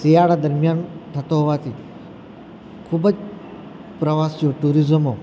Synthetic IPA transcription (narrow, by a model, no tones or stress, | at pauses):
sijaɽad̪əɾmjant̪ʰət̪oɦoʋat̪ʰi | kʰubəd͡ʒ | pɾəʋasijoʈuɾizəmo